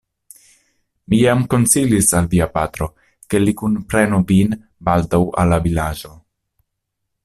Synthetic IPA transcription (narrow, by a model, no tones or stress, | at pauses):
mijamko̞nt͡silisalviapat̪ɾo̞ | ke̞likunpɾe̞nuvin | baldawa̰lːavilad͡ʒo̞